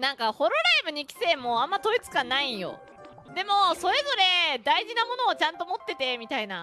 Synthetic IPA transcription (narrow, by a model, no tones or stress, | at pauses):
nãŋkaho̞ɾo̞ɾaibɯ̟ɲ̟ikʲi̥se̞ːmːoãmːat̪o̞it͡sɨ̥kanaĩjo̞̰ | d̪e̞mo̞so̞ɾe̞zo̞ɾe̞d̪aiʑinamo̞no̞ːt͡ɕãnt̪o̞mo̞t̪ːe̞t̪e̞mʲit̪aina